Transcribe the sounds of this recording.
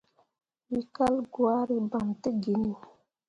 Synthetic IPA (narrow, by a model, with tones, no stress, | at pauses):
wi˦ka˦lɡwa˦ɾi˦ba˨mte˦ɡi˨nu˨